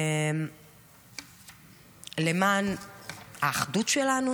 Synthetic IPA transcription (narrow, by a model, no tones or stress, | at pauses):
m | lemaːnhaːχdut̪ʃelanu